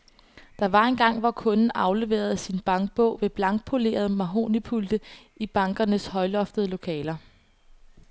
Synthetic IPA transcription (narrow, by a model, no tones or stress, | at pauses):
d̥ɑ̈ʋɑ̈e̝nɡ̥ɑ̈ŋ̰ʋɑkʰɔ̽nn̩ɑ̈ʊle̝ʋe̝̰ːɐðˠsinb̥ɑ̈ŋɡ̥̚b̥ɔ̰̽ʊ̰ʋe̝b̥lɑ̈ŋɡ̥̚pʰo̝le̝̰ːɐð̞̩ˠmæɦo̝̰ːnipʰuld̥ə | ib̥ɑ̈ŋɡ̥ɐnəshɒ̽ɪlɒ̽fd̥əðˠlo̝kʰɛːlɐ